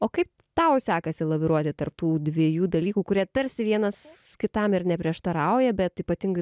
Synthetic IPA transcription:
oːkɐɪp | t̪ɐʊsʲæːkɐsʲɪlˠɐʋʲɪɾuɔt̪ʲɪt̪ɐrp̚t̪uːd̪ʲʋʲiɛjuːd̪ɐlʲiːkuːkʊɾʲiɛt̪ɐɾʲsʲɪʋʲiɛnɐskʲɪt̪ɐmɪɾnʲɛpʲɾʲiɛʃt̪ɐɾɐʊjɛbʲɛt̪iːpɐt̪ʲɪŋɡʊɪ

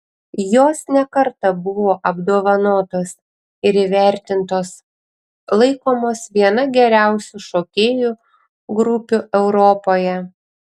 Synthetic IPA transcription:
joːsnʲɛkɐɾt̪ɐbʊʋoːʔɐbd̪oːʋɐnoːt̪oːs | ɪɾiʋʲæˑɾʲt̪ʲɪnt̪oːs | lˠɐɪkoːmoːsʋʲiɛnɐɡʲɛɾʲæˑʊsʲuʃoːkʲeːju | ɡɾʊpʲuʔɛʊɾɔːpoːjɛ

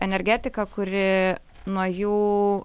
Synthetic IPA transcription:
ɛnʲɛɾʲɡʲæːt̪ʲɪkɐkʊɾʲɪ | nuɔjuː

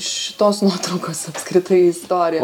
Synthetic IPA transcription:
ɪʃʲɪ̥t̪oːsnuɔt̪ɾɐʊkoːsɐpskɾʲɪt̪ɐɪɪst̪oːɾʲɪjɛ

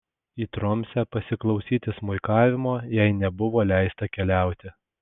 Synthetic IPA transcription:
iːt̪ɾɔmʲsʲɛpɐsʲɪklˠɐʊsʲiːt̪ʲɪsmʊɪkɑːʋʲɪmoːjɛɪnʲɛbʊʋoːlʲæɪst̪ɐkʲɛlʲæˑʊt̪ʲɪ

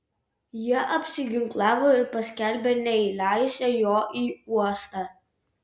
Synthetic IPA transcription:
jiɛʔɐpʲsʲɪɡʲɪŋklˠɑːʋoːɪɾpɐsʲkʲælʲbʲenʲɛɪlʲɑɪsʲɛjoːʔiːuɔst̪ɑː

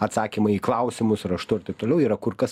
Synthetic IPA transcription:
ɐt̪sɑːkʲiːmɐiːklˠɐʊsʲɪmʊsɾɐʃt̪ʊɪɾt̪ɐɪp̚t̪olʲɛʊiːɾɐkʊrkɐs

